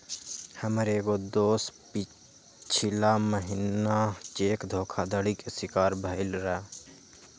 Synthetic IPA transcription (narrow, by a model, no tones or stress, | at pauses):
həmɾeɡod̪oːspɪ | t͡ʃʰɪlaməɦɪnnat͡ʃeːkd̪ʱoːkʰad̪əɽikesɪkaːɾbʱəɪlɾɛː